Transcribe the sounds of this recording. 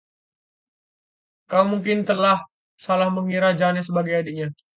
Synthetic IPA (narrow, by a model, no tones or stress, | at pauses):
kaumuŋk̬ɪnt̪əlah | salahməŋiɾad͡ʒanasəbaɡajadiʔɲa